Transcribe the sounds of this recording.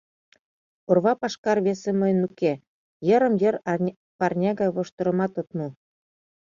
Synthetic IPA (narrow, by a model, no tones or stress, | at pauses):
orβɑpɑʃkɑrβeseməjənuke | jəɾə̆mjəɾ | pɑrnʲɑɣɑjβoʃt̪ə̆ɾə̆mɑt̪ot̪mu